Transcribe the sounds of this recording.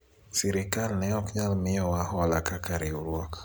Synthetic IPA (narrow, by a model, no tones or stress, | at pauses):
sɛɾikalnɛɔkɲalmɪɔwahɔalakakaɾiuɾwɔk